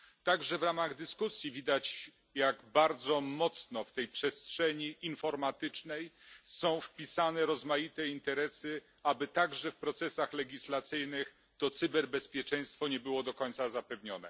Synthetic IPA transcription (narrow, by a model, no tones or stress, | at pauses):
t̪aɡʐɛvɾamaɣd̪ɘskusʲjivʲid̪at͡ɕ | jaɡbaɾd̪zɔmɔt̪snɔft̪ɛjpʂɛstʂɛɲiinfɔɾmat̪ɘt͡ʂnɛjsɔ̃w̃fpʲisanɛɾɔzmajit̪ɛint̪ɛɾɛsɘ | abɘt̪aɡʐɛfpɾɔt̪sɛsaxlɛɡʲislat̪sɘjnɘx | t̪ɔt̪sɨbɛɾbɛspʲjɛt͡ʂɛj̃st̪fɔɲɛbɘwɔd̪ɔkɔɲt̪sazapɛvɲɔnɛ̰